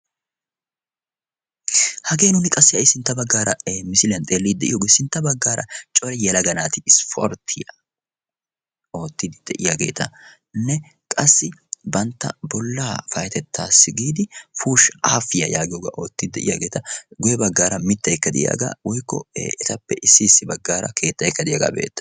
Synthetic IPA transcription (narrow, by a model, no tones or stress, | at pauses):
hɐɡe̞ːnʊnɪkʼɐsːɪɐjsɪnt̪ːɐbɐɡːaːɾɐmɪsɪlɪjɐnt̪ʼeːlːiːd̪ɛʔɪjɔːɡesɪnt̪ːɐbɐɡːaːɾʔɐ̰t͡ʃʼɔɾɛjɛlɐɡɐnaːt̪ɪɪspʰo̰ːɾt̪ʰɪjɐ | o̞ːt̪ːɪd̪ɪd̪̥ɛʔɪjaɡeːt̪ʰɐ | nːɛ | kʼɐsːɪbɐnt̪ːɐ̰bɔlːaːfɐjt̪ɛt̪ʰːaːsːɪɡiːd̪ɪfuːʃa̰ːfɪjɐjaːɡɪjoːɡɐ̰ʔo̞ːt̪ːɪd̪d̪ɛʔɪ̰jaːɡe̞ːt̪ɐɡɔjɛbɐɡːaːɾɐmɪt̪ːɐjɛkːɐd̪ɪ̰ja̰ːɡa̰ːwɔjkːɔ̰ɛt̪ɐpːɛʔɪsːɪːsːɪbɐɡːaːɾɐ̰kʰe̞ːt̪ːɐjɛkːɐd̪ɪjaːɡa̰be̞̰ːt̪ːɐ̥